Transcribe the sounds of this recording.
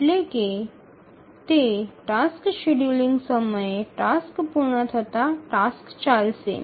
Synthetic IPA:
leke | t̪eʈaskʃeɽjuliŋɡsəməjeʈaskpuɾɳət̪ʰət̪aʈaskt͡ɕalsḛ

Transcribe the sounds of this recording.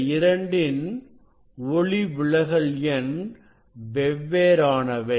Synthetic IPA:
ɪɾɐɳɖɪn | ɔɭiʋɪɭɐɣɐɭjɐn | ʋɛʋːeːɾaːnɐʋɐɪ

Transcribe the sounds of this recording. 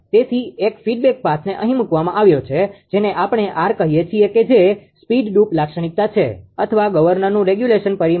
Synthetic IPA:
t̪et̪ʰiekfiɖbek̚pasʰneʔəɦĩmũkʋamãʔaʋjot͡ʃʰed͡ʒeneʔapɳ̃eʔaɾkəɦijet͡ʃʰieked͡ʒespiɖɖuplakʃəɳ̃ik̚t̪at͡ʃʰḛət̪ʰəʋaɡəʋəɾnəɾnũɾeɡjuleʃənpəɾi

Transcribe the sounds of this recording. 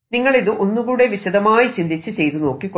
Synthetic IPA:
niŋːɐɭiðɨʔo̞nːuɣuːɽe̞ʋiɕɐd̪ɐmaːjit͡ɕind̪ʱit͡ɕːɨt͡ɕe̞jt̪uno̞ːkːikː

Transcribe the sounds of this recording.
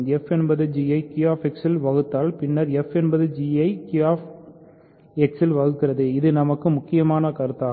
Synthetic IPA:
ɛfɛnbɐðɯd͡ʒiɐɪkɪjaːfɛksɪlʋɐɣɯt̪ːaːlpɪnːɐɾɛfɛnbɐðɯd͡ʒiɐɪkaːf | ɛksɪlʋɐɣɯkːɪrɐðɯɪðɯnɐmɐkːɯmʊkːɪjɐmaːnɐkɐɾɯt̪ːaː

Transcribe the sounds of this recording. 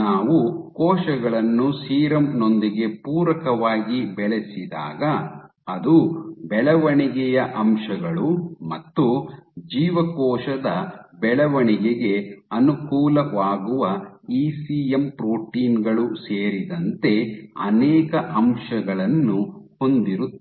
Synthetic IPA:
aːʋukɔːʃɐɡɐɭɐnːusiːɾɐmno̞nd̪iɡe̞puːɾɐkɐʋaːɡibɛɭesid̪a̰ːɡɐː | d̪ubɛɭɐʋɐɳiɡɛjɐʔɐmʂɐɡɐɭumɐt̪ːud͡ʒiːʋɐkɔːʂɐd̪ɐbɛɭɐʋɐɳiɡɛɡe̞ɐnukuːlɐʋaːɡuʋɐiːsiːempɾoːʈiːnɡɐɭuseːɾid̪ɐnt̪e̞ɐ̰nɛːkɐʔɐmʂɐɡɐɭɐnːuho̞nd̪iɾut̪ː

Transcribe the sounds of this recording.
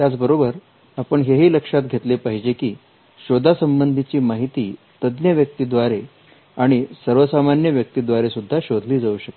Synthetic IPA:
t̪jat͡sbəɾobəɾ | apəɳɦeɦiːləkʂat̪ɡʱet̪lepaɦid͡ʑekiː | ɕod̪ʱasəmbənd̪ʱit͡ɕiːmaɦit̪iː | t̪əd̪njəʋjək̚t̪iːd̪ʋaɾe | aɽ̃isəɾʋəsamanjəʋjək̚t̪iːd̪ʋaɾesud̪ʱːaɕod̪ʱliːd͡zauɕək̪e

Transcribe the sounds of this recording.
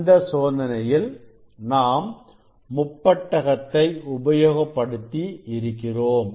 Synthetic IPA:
nd̪ɐsoːnɐnɐjɪl | naːmː | ʊpːɐʈːɐɣɐt̪ːɐɪʊbɐjoːɣɐpːɐɽɯt̪ːiɪɾɯkːɪroːm

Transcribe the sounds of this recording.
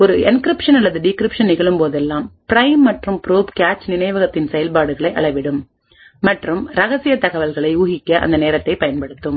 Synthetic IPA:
ɔɾɯɛnkɾɪpʂɐnɐlːɐðɯɖɪkɾɪpʂɐnnɪɣɐɭɯmpoːðɛlːaːmpɪɾɐɪmːɐʈrɯmpɾuːpkaːt͡ʃnɪnɐɪʋɐɣɐt̪ːɪnsɛjɐlpaːɽɯɣɐɭɐɪʔɐ̰ɭɐɪʋɪɽɯmː | ɐʈrɯmɾɐɣɐsɪjɐt̪ɐɣɐʋɐlɣɐɭɐɪuːɣɪkʲːɐʔɐ̰nd̪ɐneːɾɐt̪ːɐɪpɐjɐnpɐɽɯt̪ːɯm

